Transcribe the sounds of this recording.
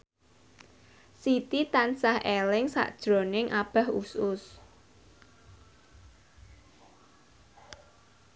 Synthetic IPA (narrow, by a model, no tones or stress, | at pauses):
sit̪it̪ansahelɪŋsa̰ʔd̥ʒ̥ɾonɪŋʔab̥a̤ɦusʊs